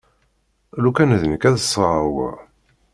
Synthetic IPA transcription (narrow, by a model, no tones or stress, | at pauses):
lukænðənəkæðəsˤːʁə̰w̰